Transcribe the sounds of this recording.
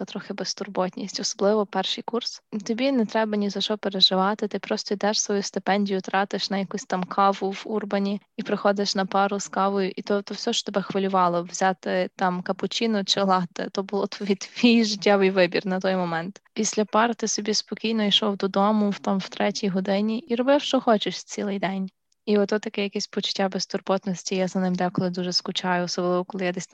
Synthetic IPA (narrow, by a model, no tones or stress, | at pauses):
t̪ɾɔxɪbest̪ʊrbɔtʲnʲḭsʲtʲɔsɔblˠɪʋɔpɛrʃɨjkurst̪ɔbʲinɛt̪ɾɛbɐnʲizɐʃɔpeɾeʒɪʋɑt̪ɪt̪ɪpɾɔst̪ɔid̪ɛʃsʋɔjust̪ɪpɛnʲdʲijʊt̪ɾɑt̪ɪʃnɐjɐkusʲt̪ɑmkʰɑʋʊʋurbɐnʲiipɾɪxɔd̪ɪʃnɐpɑɾʊskɑʋɔjʊʔit̪ɔt̪ɔwsʲɔʃt͡ʃɔ̥t̪ebɛxʋɐlʲʊʋɑlˠɔʋzʲat̪ɪt̪ɑmkɐpʊt͡ʃinʊt͡ʃɪlˠɑt̪ɪ̰t̪ɔbʊlˠɔt̪ʋʲit̪ʋʲijʒɪtʲːaʋɪjʋɪbʲirnɐt̪ɔjmɔmɛnt̪pʲisʲlʲɐpɑɾt̪ɪsɔbʲispɔkʲijnɔiʃɔwd̪ɔd̪ɔmʊwt̪ɑmw̥t̪ɾɛtʲijɦɔd̪ɪnʲiʔiɾɔbɪwʃt͡ʃɔxɔt͡ʃɪʃt͡sʲilˠɪjd̪ɛnʲ | iɔt̪ːɔt̪ɐkɛjɐkɛsʲpɔt͡ʃʊ̥tʲːabɛst̪ʊrpɔt̪nɔsʲtʲijazɐnɪmd̪kɔlˠɪd̪uʒɛskʊt͡ʃɑjʊɔsɔblˠɪʋɔkɔlˠɪjad̪ɛsʲt̪